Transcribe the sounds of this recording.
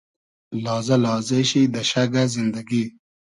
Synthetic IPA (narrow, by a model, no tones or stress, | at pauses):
lɑːzɐlɑːzeɕid̪ɐɕaɡazind̪ɐɡi